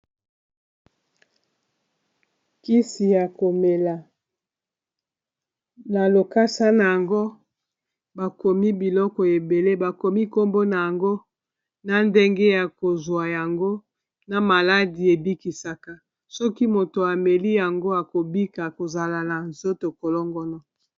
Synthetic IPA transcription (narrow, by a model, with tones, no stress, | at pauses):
ki˦si˨ja˨ko˨me˨la˨ | na˨lo˨ka˦sa˦na˨ja˨ŋɡo˦ | ba˨ko˨mi˦bi˨lɔ˦kɔ˨e˨be˨le˦ba˨ko˨mi˦ko˦mbo˦na˨ja˨ŋɡo˦ | na˨nde˦ŋɡe˦ja˨ko˨zwa˨ja˨ŋɡo˦ | na˨ma˨la˦di˨e˨bi˦ki˨sa˨ka˨ | sɔ˦ki˦mo˨to˨a˨me˨li˦ja˨ŋɡo˦a˨ko˨bi˦ka˨ko˨za˨la˨na˨nzo˦to˨kɔ˨lɔ˦ŋɡɔ˦nɔ˨